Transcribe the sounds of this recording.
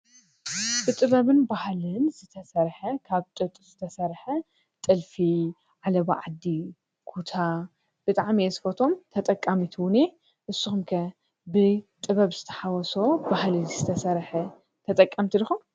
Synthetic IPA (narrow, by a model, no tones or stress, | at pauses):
b̥ɨt̪ʼɨβɐβɨnbahlɨnzɨt̪ʰɐsɐɾħɐkʰaβt̪ʼɨt̪ʼɨzɨt̪ʰɐsɐɾħɐ | t̪ʼɨlfi | ʕalɐbaʕad̪ːi | kʰut̪ʰa | b̥ɨt̪ʼaʕmiɐsfot̪ʰo̞mt̪ʰɐt̪ʼɐkʼːamit̪ʰwʊne | ʔɨsːuxumkʰɐ | bɨt̪ʼɨβɐβzɨt̪ʰɐ̥ħawɔsobahlɨnzɨt̪ʰɐsɐɾħɐ | t̪ʰɐt̪ʼɐkʼːɐmt̪ʰilɨxum